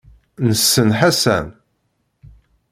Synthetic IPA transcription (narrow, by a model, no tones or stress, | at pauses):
nəsːənħæsæ̰n